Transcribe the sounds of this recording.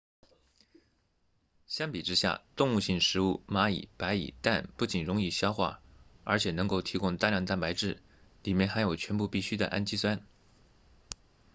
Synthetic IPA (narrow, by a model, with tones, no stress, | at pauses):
ɕjɑ˥ŋpi˨˩ʈ͡ʂɻ̩˥ɕja̰˥˧t̪ʊ˥˧ŋu˥˧ɕi˥˩ŋʂɻ̩˧˥u˥˩ma˧˥ḭ˨˩pa˧˥ɪḭ˨˩t̪a˥˧npu˥˩t͡ɕi˨˩nɻʊ˧˥ŋi˥˩ɕjɑ˥ʊxwa̰˥˩ə˞˧˥t͡ɕʰjɛ˨˩nɤ˧˥ŋko˥˩ʊt̪ʰi˧˥kʊ˥ŋt̪a˥˧ljɑ˥˧ŋt̪a˥˩npa˧˥ɪʈ͡ʂɻ̩˥˩ | li˨˩mjɛ˥˩nxa˧˥ɪjo˨˩ʊt͡ɕʰɥɛ˧˥npu˥˧pi˥˩ɕy˥d̪ə̰˨ʔa̰˥˧nt͡ɕi˥swa˥n